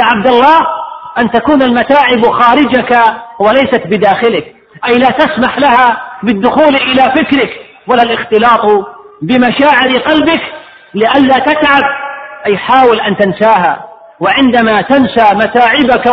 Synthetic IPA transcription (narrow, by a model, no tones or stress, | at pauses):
jaːʕab̚d̪alˤːɑːhʔant̪akuːnalmat̪aːʕɪbxaːɾɪd͡ʒakawalajsat̪bɪd̪aːxɪlɪk | ʔajlaːt̪asmaħlahabɪd̪ːʊxuːlʔɪlafɪkɾɪk | walːalʔɪxt̪ɪlɑːt̪ˤbɪmaʃaːʕɪɾqɑlbɪk | lɪʔalːat̪at̪ʕab̚ʔajħaːwɪlʔant̪ɪnsaːɦa | wɪʕɪnd̪amat̪ansamat̪aːʕɪbak